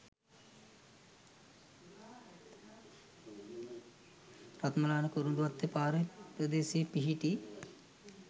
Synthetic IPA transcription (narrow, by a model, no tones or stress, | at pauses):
rat̪məlaːnəkuɾund̪uʋat̪ːepaːɾəpɾəd̪eːseːpiɦiʈi